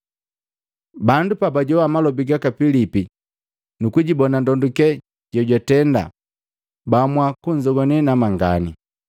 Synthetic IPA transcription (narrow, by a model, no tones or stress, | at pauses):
bandupabaɟɔwamalɔbiɡakapilipi | nukuɟibɔnandɔndukɛ | ɟ̥ɔɟwatɛnda̰ | bamwakuɲd͡ʒɔɡɔnɛnamaŋɡa̰ni